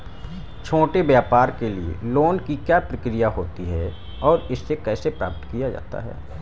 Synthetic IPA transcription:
t͡ʃʰoːʈebjaːpaːɾkeliḛloːnkikjaːpɾəkɾijaɦoːt̪iɦɛ | ɔːɾɪsːekɛːsepɾa̰ːp̚t̪kijad͡ʒa̰ːt̪a̰ɦɛ̰ː

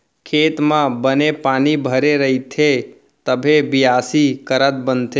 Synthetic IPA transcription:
kʰeːt̪mãbənepaːnibʱəɾeɾəɦit̪ʰe | t̪əbʱebɪjaːsikəɾət̪̚bənt̪ʰe

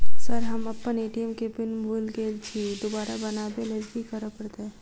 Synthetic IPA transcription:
səɾɦəməpːəneʈiəmkebinbolɡelt͡ʃʰid̪obaɾabənabeləzɡikəɾəpəɾt̪e

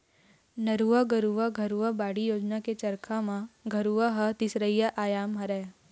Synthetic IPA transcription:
nɐɾuʋaɡɐɾuʋaɡʱɐɾuʋabaːɽijoːd͡ʒnaket͡ʃɐɾkʰamãɡʱɐɾuʋaɦɐt̪ɪsɾəjaʔaːjaːmɦɐɾɛː

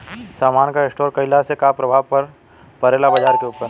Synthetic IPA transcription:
saːmaːnkaesʈoːɾkɐɪlasekaːpɾɐbʱaːʋpɐɾ | pɐɾeːlabɐd͡ʒaːɾkeupəɾ

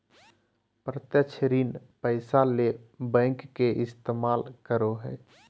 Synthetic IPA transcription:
pɾət̪jət͡ʃʰɾiːnpəɪsalebɛ̃ːŋkːeʔɪst̪eːmaːlkəɾoɦɛː

